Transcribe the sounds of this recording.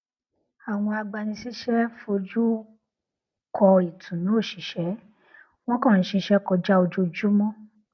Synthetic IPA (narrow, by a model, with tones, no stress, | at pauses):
a˨w̃ɔ̃˧a˧ɡ͡ba˧nĩ˧si˦ʃɛ˦fo˧d͡ʒu˦ | kʰɔ˧i˨tʰũ˨nũ˨˦o˦˨ʃĩ˨˦ʃɛ˨˦ | w̃ɔ̃˦kɔ̃˦˨˦ʃĩ˧˦ʃɛ˦kɔ˧d͡ʒa˦o˧d͡ʒo˧d͡ʒu˦mɔ̃˦